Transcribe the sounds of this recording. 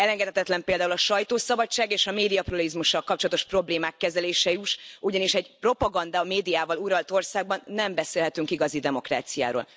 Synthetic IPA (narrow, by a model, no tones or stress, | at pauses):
ɛlɛŋɡɛt̪ʰɛt̪ɛt̪lɛmpeːld̪aːulɒʃɒjt̪oːsɒbɒt͡ʃːaːɡeːʃɒmeːd̪ijɒprolizmuʃːɒlkɒp̚t͡ʃolɒt̪o̞ʃpro̞bleːmaːkːɛzɛleːʃɛyʃuɟɒniʃɛɟpro̞pɒɡɒnd̪ameːd̪ijaːvɒluɾɒlt̪o̞rsaːɡ̚bɒnːɛmbɛseːlɦɛt̪yŋkiɡɒzid̪ɛmo̞kra̰ːt̪sija̰ːɾo̰ːl